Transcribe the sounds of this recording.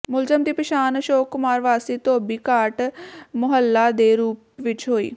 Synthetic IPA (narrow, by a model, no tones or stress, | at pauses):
mʊlzəmd̪iːpəʃaːnʃoːkːʊmaːɾʋaːsiːt̪oːbiːkaːɾʈmʊɦəlːaːd̪eːɾuːpʋɪt͡ʃɦoːḭː